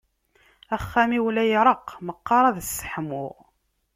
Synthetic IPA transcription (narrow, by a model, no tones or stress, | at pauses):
æχːæmiwlæjɾˤəqːməqːɑɾˤɑðəsːə̥ħmʊ̰ʁ